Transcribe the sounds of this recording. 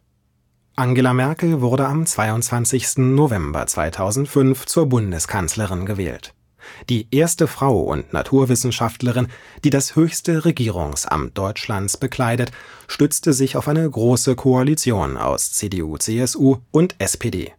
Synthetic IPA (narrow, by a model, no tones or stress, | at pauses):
ʔaŋɡeːlamɛɐkl̩vʊʁdəamt͡sv̥aɪʊntt͡sv̥ant͡sɪçstn̩novɛmbɐ̰t͡sv̥a̰ɪtʰaʊzn̩tfʏnft͡suːɐbʊndəskʰant͡sləʁɪnɡəvɛ̰ːlt | d̥iːʔeːɐstəfʁ̥aʊʔʊ̰ntna̰tʰuːɐvɪsn̩ʃaftləʁɪnd̥iːdashøːçstəʁeɡiːʁ̞ʊ̰ŋsʔa̰mt̚d̥ɔʏt͡ʃlant͡sb̥əkʰl̥aɪdət | ʃtʏt͡stəzɪçaʊfʔaɪnəɡʁoːsəkʰoalit͡sjo̰ːna̰ʊst͡seːdeʔuːt͡seːɛsuːʔʊntʔɛspʰeːdḛː